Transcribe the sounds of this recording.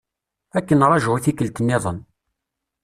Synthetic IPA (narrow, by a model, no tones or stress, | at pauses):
ækːənɾˤɑʒiθikːəlt̪ənːiðˤən